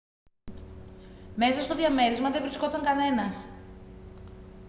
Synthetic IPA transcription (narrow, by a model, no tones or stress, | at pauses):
me̞sɐst̪o̞ðʝɐme̞ɾizmɐðe̞vɾisko̞t̪ɐŋkɐne̞nɐs